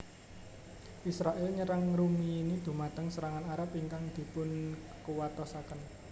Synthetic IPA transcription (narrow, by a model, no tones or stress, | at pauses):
ʔisɾaʔɛlɲəɾaŋɾumiːnid̪̥ṳmat̪əŋsəɾaŋanaɾapiŋkaŋd̪̥i̤pʊn | kuwat̪ɔsakən